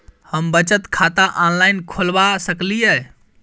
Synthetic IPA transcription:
həmbət͡ʃət̪kʰat̪aʔanlaɪnkʰolbasəkliə

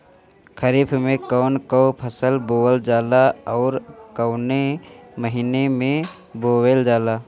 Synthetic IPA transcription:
kʰəɾiːpʰmẽkɔːnkɔːpʰəsəlboːəld͡ʒaːlaɔːɾkɔʊneməɦiːnemẽ | boːweld͡ʒaːlaː

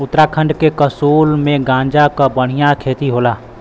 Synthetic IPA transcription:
ʊt̪ːɾakʰə̃ɳɖkekəsuːlmẽɡãːɲd͡ʒakabəɽ̤ijakʰeːt̪iɦoːlaː

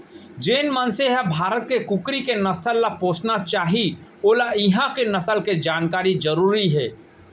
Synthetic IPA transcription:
d͡ʒeːnmənseɦabʱaːɾət̪̚kekʊkɾikenɐsəlːapoːt͡ʃʰnat͡ʃaːɦioːlaɪɦãkenɐsəlked͡ʒaːnkaːɾid͡ʒəɾuːɾiɦɛː

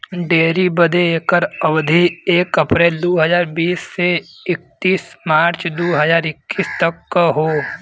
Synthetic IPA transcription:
ɖeːɾibəd̪eekəɾəʋd̪ʱieːkəpɾeːld̪oːɦəzaːɾbiːsːeɪk̚t̪iːsmaːɾt͡ʃd̪uːɦəzaːɾɪkːiːst̪əkːɦoː

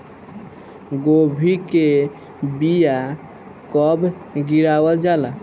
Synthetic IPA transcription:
ɡobʱike | bija | kɔbʱɡiɾabəld͡ʒala

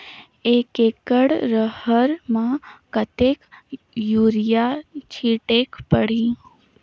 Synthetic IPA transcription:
eːkeːkəɽɾəhəɾmãkət̪eːk | juːɾijat͡ʃʰiːʈeːkpəɽ̤ĩ

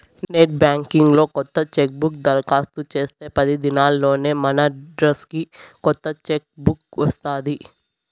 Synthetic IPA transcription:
neːʈ̚bjaːŋkiŋɡlo̞ːkɔt̪ːɐt͡ʃek̚bukd̪ɐɾkaːst̪ut͡ʃe̞ːst̪e̞ːpɐd̪id̪inaːlːo̞ːne̞ːmɐnɐɖɾɐskikɔt̪ːɐt͡ʃek̚bukʋɐst̪aːd̪i

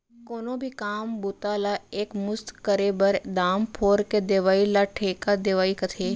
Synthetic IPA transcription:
koːnõːbʱikaːmbʊt̪aːlaeːkmʊst̪kəɾeːbəɾd̪aːmpʰoːɾked̪eːʋaːilaʈʰeːkad̪eːʋaːikɐt̪ʰeː

